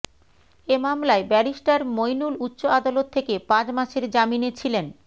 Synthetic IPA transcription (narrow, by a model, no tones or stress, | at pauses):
emamlaebɛɾiʃʈaɾmojnulutːɕoad̪alot̪ʰːekepãt͡ɕmaʃeɾd͡ʑaminet͡ɕʰilen